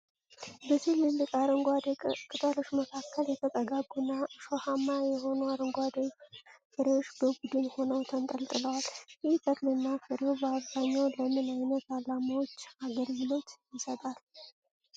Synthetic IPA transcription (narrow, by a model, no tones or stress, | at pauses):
bəsilːɨlːɨkʼaɾəŋɡʷad̪kʼɨt̪ʼaloʃməkʰakːəljɛt̪ʰəkʼəɡaɡunːaʃohamajɛho̞nəwaɾəŋɡʷad̪efɨɾewot͡ʃːbəbud̪ɨnho̞nəwt̪ʰənt̪ʼəlt̪ʼɨləwaljɪht̪ʰʼəklɨnːafɨɾeobəaβzaɲːawləmɨnajnət̪alamawot͡ʃːaɡəɾjilo̞t̪jɪsət̪ʼal